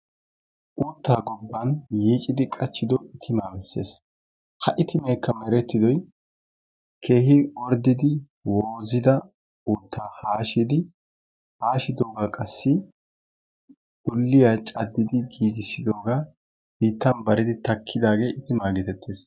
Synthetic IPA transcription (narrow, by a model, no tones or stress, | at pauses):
ʔuːt̪ːaːɡɔbːɐnjiːt͡ʃʼːɪd̪ɪkʼɐt͡ʃːɪd̪ɔʔɪt̪ʰɪmaːbɛsːe̞̰ːs | hɐʔɪt̪ɪmeːkːɐmɛɾɛt̪ːɪd̪ɔj | kʰe̞ːhɪɔɾd̪ɪd̪ɪ | woːzɪd̪ɐ | uːt̪ʰːaːhaːʃɪd̪ɪ | haːʃɪd̪o̞ːɡakʼɐsːɪ | ɡ̥ʊlːɪjaːt͡ʃʼɐd̪ːɪd̪ɪɡiːɡɪsɪd̪o̞ːɡaː | biːt̪ːɐnbɐɾɪd̪ɪt̪ɐkʰːɪd̪aːɡe̞ːʔɪt̪ɪmaːɡɛt̪ɛt̪ʰːeːs